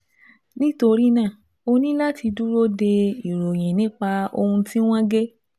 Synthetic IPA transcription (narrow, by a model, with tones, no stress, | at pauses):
nĩ˦to˧ɾi˦nãː˦˨ | o˧nĩ˦la˦ti˧du˦ɾo˦de˧i˨ɾo˨j̃ĩ˨nĩ˨˦k͡pa˧o̰˧hũ˧tĩ˦w̃ɔ̃˦ɡe˦